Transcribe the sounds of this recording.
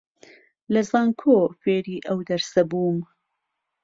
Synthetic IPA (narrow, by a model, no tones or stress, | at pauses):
lɐzaːŋkʰoːfeːɾiːʔɐwd̪ɐɾsɐbuːm